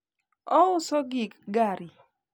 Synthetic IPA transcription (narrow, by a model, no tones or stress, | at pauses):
ɔʊsɔɡikɡaɾi